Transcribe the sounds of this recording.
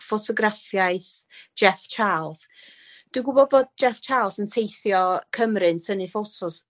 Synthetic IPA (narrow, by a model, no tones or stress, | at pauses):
fɔtʰɔɡrafjajθd͡ʒɛft͡ʃʰaːlˠs | d̥iɡʊbɔbɔd̚d͡ʒɛft͡ʃʰaːlˠsəntʰejθjɔkʰəmrɨntʰənifotʰɔs